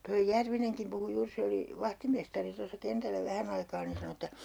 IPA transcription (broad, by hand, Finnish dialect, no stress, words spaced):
toij jærʋineŋkim puhu juːr se oli ʋɑhtimestɑri tosːɑ kentælːæ ʋæhæn ɑikɑː nin̞ sɑnŏ etːæ